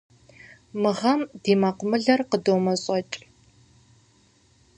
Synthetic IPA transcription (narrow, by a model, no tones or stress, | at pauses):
mɨʁɐmdiːmaqʷʊmɨɮɐrqədoːmɐɕʼɔt͡ʃʼ